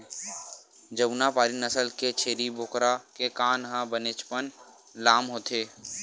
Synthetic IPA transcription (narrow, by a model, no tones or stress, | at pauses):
d͡ʒəbnapaːɾinəsəlket͡ʃʰeːɾibokɾakekaːnɦãbənɪt͡ʃpən | laːmɦoːt̪ʰeː